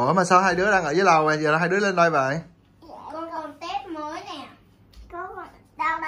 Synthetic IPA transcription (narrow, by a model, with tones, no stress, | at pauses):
əmaː˨˩saː˧wɦaː˧jɗɨ˨˦˥əɗaː˧ŋəː˧˩zəː˨˦jla˨˩wɓa̰˧˨˩zəː˨˩˨ɦaː˧jɗɨ˨˦əle˧nɗa˧jva̰ː˧˨j | kɔ˧kɔ˨˩nt̪e˦˥p̚məː˨˦jnɛ˨˩˨ | ɗa˧